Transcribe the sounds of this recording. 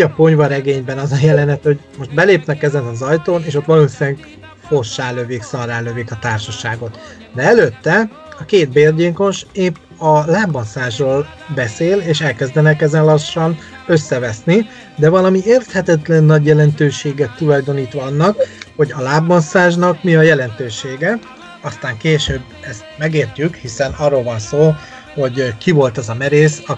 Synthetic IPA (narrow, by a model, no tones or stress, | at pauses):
ɒpo̞ɲvɒɾɛɡeːɲbɛnɒzɒjɛlɛnɛt̪ho̞ɟmo̞ʃt̪̚bɛleːpnɛkɛzɛnɒzɒjt̪oːneːʃo̞t̪ʋɒloːsineŋk | fo̞ʃːaːløveːksɒraːløvekɒt̪aːrʃɒʃaːɡo̞t̪ | d̪ɛɛløt̪ːɛ | ɒkeːt̪̚beːrɟeːko̞ʃeːpː | ɒlaːbːonsaːʒroːl | bɛseːleːʃɛlkɛzd̪ɛnɛkɛzɛnlɒʃːɒnø̞sːɛvɛsni | d̪ɛvɒlɒmieːrt̪hɛt̪ɛt̪lɛnːɒɟjɛlɛnt̪øːʃeːɡɛt̪ːulɒjd̪o̞niːt̪ʋɒɒnːɒkho̞ɟɒlaːbːo̞nsaːʒnɒkmiɒjɛlɛnt̪øːʃeːɡɛ | ɒst̪aːŋkeːʃøːbːɛst̪mɛɡeːrcykhisɛnɒrːoːlvɒnsoː | ho̞ɟkivo̞lt̪ɛzɒmɛɾeːsɒ